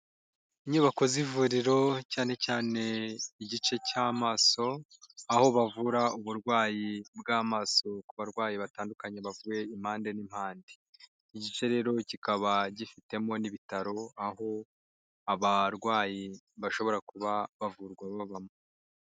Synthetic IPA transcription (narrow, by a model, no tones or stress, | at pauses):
iɲuːβako̞zivuːɾiɾo̞caːne̞caːne̞iɟit͡ʃe̞caːmaːso̞ | aho̞βavuɾauβuɾɡwaːjibɡaːmaːso̞kuβaɾɡwaːjiβataːndukaɲe̞βavuje̞im̥haːnde̞nim̥haːnde | iɟit͡ʃe̞ɾe̞ɾo̞cikaβaɟifite̞mo̞niβitaɾo̞aho̞ | aβaɾɡwaːji | βaʃo̞βo̞ɾakuβaβavuɾɡwaβaβamo